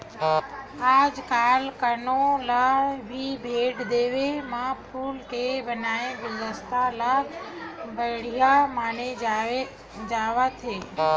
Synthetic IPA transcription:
aːd͡ʒkaːlkəɾnolabʱibʱeːʈd̪eːʋemãpʰuːlkebənaːẽʋəʋəst̪ʰala | bəɽijamaːnee | d͡ʒaːʋat̪ʰeː

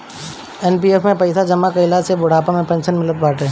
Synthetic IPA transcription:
ɛːnpiːefmẽpɐɪsad͡ʒɐmːakɐɪlasebʊɽ̤aːpamẽpɛ̃ːnʃənmɪlət̪̚baːʈeː

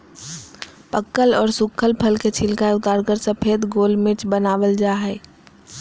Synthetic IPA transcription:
pəkːəlɔːɾsʊkʰːəlpʰəlket͡ʃʰɪlkaʊt̪aːɾɡəɾsəpʰeːd̪ɡoːlmɪt͡ʃbənaːwəld͡ʒaːɦɛː

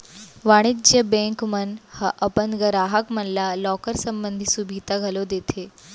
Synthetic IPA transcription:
ʋaɽ̃id͡ʑjəbẽŋkmənhɐʔəpənɡəɾaːɦəkmənlalɔkəɾsəmbənd̪ʱisubʱit̪aɡʱɐlod̪et̪ʰe

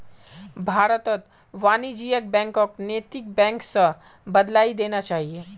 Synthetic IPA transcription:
bʱaːɾət̪ət̪ | ʋaːnid͡ʒiːjək̚bɛ̃ːŋkokneːt̪ɪk̚bɛ̃ːŋksɐ | bɐd̪laːid̪eːnat͡ʃaːɦieː

